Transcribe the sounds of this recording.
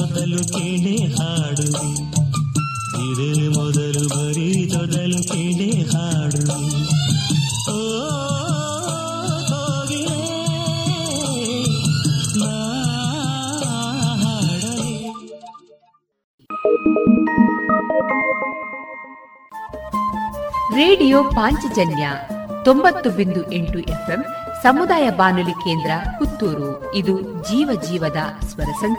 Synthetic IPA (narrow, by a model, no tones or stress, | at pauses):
ɔd̪ɐlukeɳehaːɽui | didelimɔd̪ɐlubɐɾit̪ɔd̪ɐlukenehaːɽui | oː | ɦoːɡi | na | ɦa | ɾeːɖijoːpaːɲt͡ʃid͡ʒɐnjɐt̪ombɐt̪ːubind̪uʔeɳʈuʔepʰemsɐmud̪aːjɐbaːnulikeːnd̪ɾɐkut̪ːuːɾu | id̪ud͡ʒiːʋɐd͡ʒiːʋɐd̪ɐsʋɐɾɐsɐɲ